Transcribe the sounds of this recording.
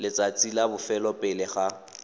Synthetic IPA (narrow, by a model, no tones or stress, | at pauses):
lɪt͡sʼat͡sʼilabʊfɛlɔpʼɪlɪχa